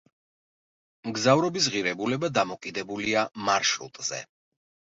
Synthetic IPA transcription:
mɡzavɾɔbis̬ʁiɾɛbulɛbad̪amɔkʼid̪ɛbuliamaɾʃɾṵt̪ʼz̥ɛ̰

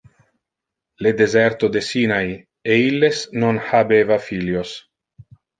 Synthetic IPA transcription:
led̪ezeɾt̪od̪esinaj | eilːesnonhabevafiljos

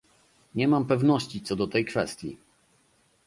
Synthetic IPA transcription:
ɲɛmampɛvnɔɕt͡ɕit̪sɔd̪ɔt̪ɛjkfɛst̪ʲjḭ

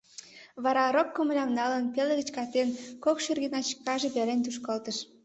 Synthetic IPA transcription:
βɑɾɑɾokːoməlʲɑmnɑlənpelĕɣə̆t͡ɕkɑt̪enkokʃyrɣinɑt͡ɕkɑʒepeɾenʲt̪uʃ̬kolt̪əʃ

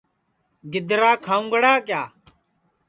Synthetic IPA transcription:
ɡɪd̪ɾaːkʰaːũːŋɡəɽaːkjaː

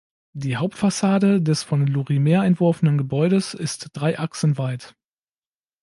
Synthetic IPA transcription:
d̥iːɦaʊp̚tfasaːdədɛsfɔnluʁimeːɐaɛntv̥ʊɐfənənɡəbɔʏɾəsɪstd̥ʁaɪʔaksn̩vaɪt

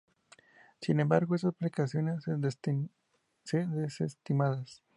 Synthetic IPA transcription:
sinembaɾɣo̞esasplikasjo̞nes | seðesest̪imaðas

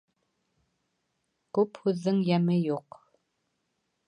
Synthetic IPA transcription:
kʉphʉðːɘŋjæmɘjuq

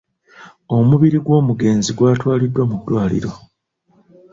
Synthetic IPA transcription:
o̞muβiɾiɡwo̞ːmuɡe̞ːnziɡwaːtwaːlidːwamudːwaːlḭɾo̞

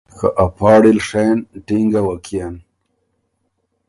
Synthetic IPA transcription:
kʰa̰ʔapʰɑːɽilʂenʈiŋɡawakʰijan

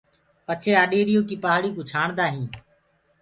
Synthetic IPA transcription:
pət͡ʃʰeːaːɗeːɾɪjõːkiːpaɦaɽiːkũːt͡ʃʰaːɳd̪aːɦĩː

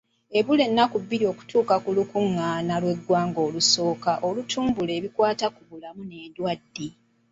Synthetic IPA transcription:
e̞βule̞nːakubːiɾio̞ku̥tʰuːkakulukuŋːaːnalwe̞ɡwaːŋɡo̞ːluso̞ːkaʔo̞lutʰuːmbule̞ːβikwaːtakuβulamune̞ːdwadːi

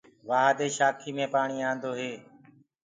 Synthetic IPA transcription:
ʋaːɦd̪eːʃaːkʰiːmẽːpaːɳ̃iːãːnd̪oːɦeː

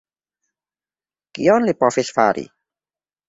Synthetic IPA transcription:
kijɔnlipɔfisfaɾḭ

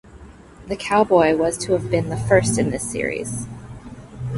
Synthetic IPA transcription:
ðɨkʰaʊbɔɪwʌz̥tʰəːvbɨ̃nðəfɜ˞stɨ̃nðɪsɪ̰ɹḭz̥

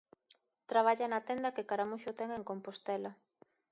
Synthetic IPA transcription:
t̪ɾaβ̞aʎanat̪ɛnd̪ɐkekaɾamuʃot̪ɛŋeŋkompost̪ɛlɐ

